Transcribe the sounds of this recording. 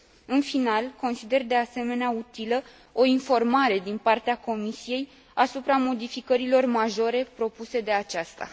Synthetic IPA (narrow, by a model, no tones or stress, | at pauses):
ɨnfinalko̞nsid̪e̞rd̪e̞ase̞me̞neaut̪ilə | o̞info̞rmaɾe̞d̪inpart̪eako̞misije̞j | asupɾamo̞d̪ifikəɾilo̞rmaʒo̞ɾe̞pɾo̞puse̞d̪e̞at͡ʃast̪a̰